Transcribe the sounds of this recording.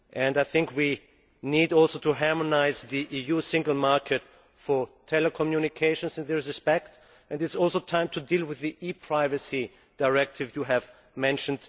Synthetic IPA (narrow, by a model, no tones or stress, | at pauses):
ʔɨ̃ndaɪθɪ̃ŋkwi | nidɔlˠsoʊtʰuɦɑɹmənaɪzðiʔijusɪ̃ŋɡl̩ˠmɑɹkʰɨt | fə˞tʰɛləkʰɔmjunɪkʰeɪʃə̃nsɨ̃nðɪsɹɪspɛk̚t | ʔɨ̃nɨtsɔlˠsoʊtʰãɪ̃mtʰɨdilˠwɪðiʔipʰɹ̥aɪvɨsi | d̥aɪɹɛk̚tʰɨvjuɨv | mɛ̃nʃɨ̃n̩d